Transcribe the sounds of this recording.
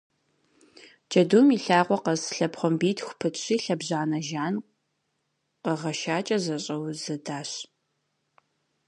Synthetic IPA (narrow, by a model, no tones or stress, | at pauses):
d͡ʒʼɐdumiɬaːʁʷɔqɐzɬɐpχʷɔmbiːtʰxʷʊpʰɨɕiːɬɐbʑaːnɐʒaːn | qəʁɐʃaːt͡ʃʼɐzɐɕʼɐwzɨdaːɕ